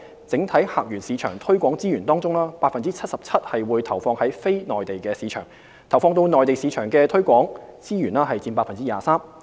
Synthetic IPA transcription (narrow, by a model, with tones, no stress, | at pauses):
t͡sɪ˨˥ŋt̪ʰɐ˨˥jhaː˨˩k̚jyː˨˩nsiː˨˧t͡ʃʰœ̰ː˨˩ŋt̪ʰɵ˥ɥkʷɔː˨˥ŋt͡siː˥jyː˨˩nt̪ɔː˥ŋt͡sʊ˥ŋlaː˥paː˧t̚fɐ˨nt͡siː˥t͡sʰɐ˥t̚sɐ˨p̚t͡sʰɐ˥t̚hɐ˨jwuː˨˧jt̪ʰɐ˨˩wfɔː˧ŋhɐ˨˥jfe˥jnɔː˨˩jt̪e˨jkɛː˧siː˨˥t͡ʃʰœ̰ː˨˩ŋ | t̪ʰɐ˨˩wfɔː˧ŋt̪o˧wnɔː˨jt̪e˨˩jsi˨˧˥t͡ʃʰœː˨˩ŋkɛ˧t̪ʰɵ˥kʷɔː˨˥ŋt͡siː˥jyː˨˩naː˥ɦɐ˨jt͡si˧npaː˧˥tfɐ˨nt͡si˥jaː˨˩saː˥m